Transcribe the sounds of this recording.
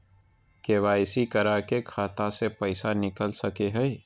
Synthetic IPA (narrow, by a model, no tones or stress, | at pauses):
keːʋaːɪsikəɾakekʰaːt̪asepəɪsanɪkəlsəkeɦɛj